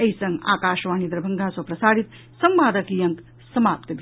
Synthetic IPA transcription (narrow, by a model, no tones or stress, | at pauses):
ɐisəŋɡa̰ːkaʃʋaːnid̪ɾəbʱɐŋɡʱasopɾɐsaːɽit̪ | səmbaːd̪əkijɐŋk | sɐmaːp̚t̪bʱ